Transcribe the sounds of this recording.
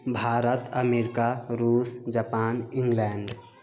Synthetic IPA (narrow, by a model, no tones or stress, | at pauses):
bʱaːɾət̪əmeːɾɪkaɾuːsd͡ʒəpaːnɪ̃ŋɡlɛːɳɖ